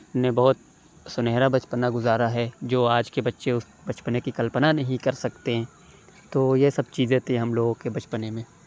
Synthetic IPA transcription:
nẽbɐɦʊt̪̚ | sʊneɦɾabɐt͡ʃpənaɡʊzaːɾaɦɛd͡ʒoːaːd͡ʒkebɐtːʃeʊs | bɐt͡ʃpənekikɐlpənanɐɦĩkɐɾsɐkt̪eɦɛ̃ː | t̪oːjesɐb̚t͡ʃiːzẽt̪ẽɦɐmloːɡkebɐt͡ʃpənẽmẽː

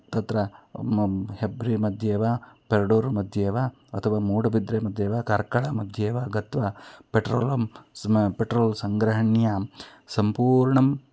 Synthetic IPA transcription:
t̪ɐt̪ɾɐ | hebɾimɐd̪ʱjeːʋaːpeɾɖoːɾmɐd̪ʱjeːʋa | ɐt̪ʰɐʋaːmuːɽɐbid̪ɾeːmɐd̪ʱjeːʋaːkɐɾkɐɭɐmɐd̪ʱjeːʋaɡɐt̪ʋaːpeʈɾoːlɐmpeʈɾoːlsɐŋɡɾɐɦɐɳjasɐmpuːɾɳɐm

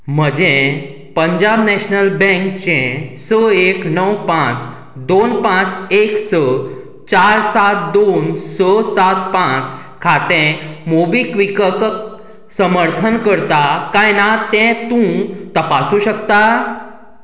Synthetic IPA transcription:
m̤əd͡ʑẽ | pəɲd͡ʑabnɛɕnəlbɛ̃ŋkt͡ɕẽsəeknəwpãt͡s | d̪onpãt͡seksə | t͡ɕaɾsat̪̚d̪onsəsat̪̚pãt͡s | kʰat̪ẽmobikʋikək | səməɾt̪ʰənkəɾt̪akajnat̪ɛ̃t̪ũt̪əpasũɕəkt̪a

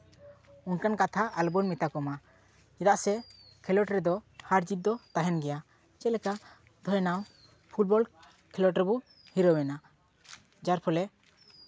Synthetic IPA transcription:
unkankat̪ʰaalbɔnmit̪akɔma | ɛd̪aʔsɛ | kʰɛlɔʈɾɛd̪ɔhaɾd͡ʒit̚d̪ɔt̪aɦɛnɡɛja | t͡ʃɛlɛka | d̪ʱɔjnaw | pʰulbɔl | kʰɛlɔʈɾɛbɔ | hiɾɔwɛna | d͡ʒaɾpʰɔlɛ

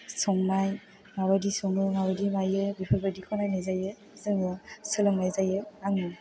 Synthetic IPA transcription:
sɔŋmaj | ŋawadisɔŋɯŋawadimajɯbipʰaɾbadikʰɔnajnɯjzajɯ | zɯŋɯsɯlɯŋnajzajɯaŋɯ

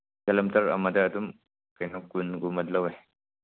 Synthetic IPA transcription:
kɐlɐmtɐɾɐ̰mɐdɐːdum | kɐjnɔkunɡumɐdlɐwe

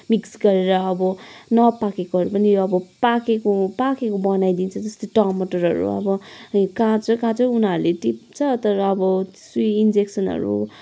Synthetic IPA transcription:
miksɡʌɾeɾʌːbʌnʌpakekoɦʌɾupʌniʌbʌpakekopakekobʌnajd̪int͡sʰʌd͡zʌst̪oʈʌrmʌʈʌrɦʌ̰ɾṵʌ̰bʌkãt͡sʰʌkãt͡sʰʌ̃unaɾuleʈipt͡sʰʌt̪ʌɾʌːbʌ | swiind͡zeksʌnɦʌ̰ɾṵ

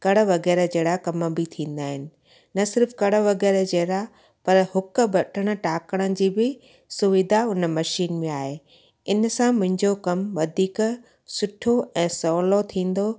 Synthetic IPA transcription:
kɐɽə̆ʋɐɣɛːɾəd͡ʑeːɽakɐmə̆bɪt̪ʰĩːn̆d̪aːɦɪnɪ̆ | nɐsɪɾfkɐɽəʋɐɣɛːɾd͡ʑeːɾa | pɐɾhʊkə̆bɐʈʰəɽ̃ə̆ʈaːkəɽ̃ənɪd͡ʑiːbɪ | sʊʋɪd̪ʱaʊnə̆mɐʃiːnmẽaːɦe | ɪnsãmʊ̃ɦɪ̃ɲd͡ʑokɐmʋɐd̪ʱiːk | sʊʈʰoɛ̃ːsɔːlot̪ʰĩːn̆d̪o

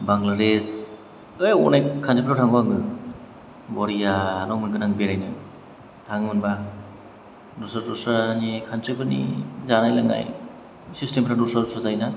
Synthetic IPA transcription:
baŋlades | ɯjɔ̰najkʰand͡ʒipʰɾawtʰaŋbaŋɡɯ | bɔɾijalɔŋmɯnkɯnaŋbeɾajnɯ | tʰaŋmɯnba | dɔsadɔsanikʰanzɯbɯnḭzanajlaŋa̰j | sistempʰɾadusadɔsazajna

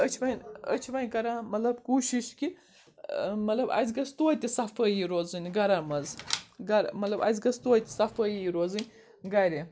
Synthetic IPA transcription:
ət͡ʃʰiʋɐnʲə̰t͡ʃʰiʋɐnʲkɐɾamɐlɐbkuːʃiʃki | mɐt̪lɐbɐ̰zʲɡɐst̪oːt̪ʲisɐfɐjiɾoːzɨnʲɡɐɾaːmɐzɡɐɾmɐt̪lɐbɐ̰zʲɡɐst̪oːt̪ʲisɐfɐjiiɾoːzɨnʲ | ɡɐɾe

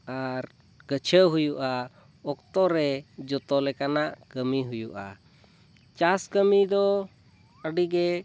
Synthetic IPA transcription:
aɾ | ɡ̥ət͡ʃʰəɦujuʔa | ɔkt̪ɔɾɛd͡ʒɔt̪ɔlɛkanaʔkəmiɦujuʔa̰ | t͡ʃaskəmid̪ɔ | əɖiɡɛ

